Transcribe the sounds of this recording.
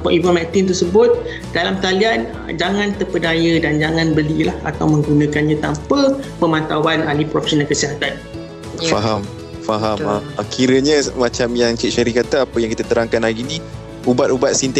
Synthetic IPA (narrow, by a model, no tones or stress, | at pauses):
paʔibamɛk̚t̪ɪnt̪əsəbʊt̪̚ | d̥alamt̪alianə̰d͡ʒaŋãnt̪əpədajədand͡ʒaŋãnbəlilaha̰t̪awmə̃ŋɡunãkanɲãt̪ampəpəmãnt̪awanalipɾɔfeɛsonalkəsiɦat̪an | faɦam | faɦaməkʰiɾəɲamat͡ʃamjaŋt͡ʃiʔ̚ʃaɾikat̪aapəjaŋkit̪at̪əɾaŋkanlaɡini | ubat̪̚ubat̪̚sint̪